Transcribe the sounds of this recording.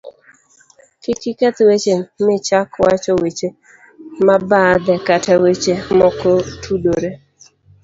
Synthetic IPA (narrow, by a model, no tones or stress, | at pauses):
kɪkɪkɛt̪wet͡ʃemɪt͡ʃakwat͡ʃɔwet͡ʃe | mabad̪ɛkatawet͡ʃemɔkɔtʰudoɾe